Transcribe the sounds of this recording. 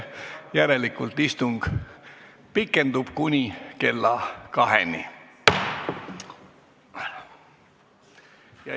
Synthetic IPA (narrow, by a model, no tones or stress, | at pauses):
jæɾe̞likːult̪ist̪uŋɡ̥ | pikːˑe̞nd̪ub̥kunʲike̞lːɑkɑɦḛni | jɑ